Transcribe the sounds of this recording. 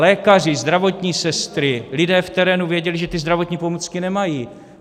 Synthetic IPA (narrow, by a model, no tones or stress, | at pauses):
lɛːkar̝ɪzd̪ɾavo̞t̪ɲiːsɛst̪ɾɪlɪdɛːft̪ɛɾɛːnuvjɛɟɛlɪʒɛt̪ɪzd̪ɾavo̞t̪ɲiːpo̞mut͡skɪnɛmajiː